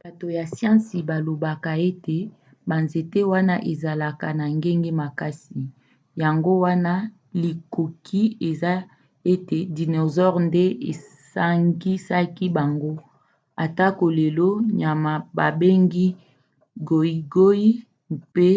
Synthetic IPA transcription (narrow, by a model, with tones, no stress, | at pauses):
b̥a˨to˨ja˨sjã˦si˨ba˨lo˨ba˨ka˨e˦te˨ | ba˨nze˨te˦wa˦na˦ʔe˨za˨la˨ka˨na˨ŋɡe˦ŋɡe˦ma˨ka˦si˨ | ja˨ŋɡo˦wa˦na˦ | li˨ko˨kʰi˦e˨za˦ | e˦te˨di˨no˨zɔ˦ʁnde˦e˨ | sa˦ŋɡi˦sa˦ki˦ba˨ŋɡo˦ | a˨ta˦ko˨le˨lo˦ɲa˨ma˨ba˨be˦ŋɡi˦ | ɡo˨i˨ɡo˦i˦ | pe˦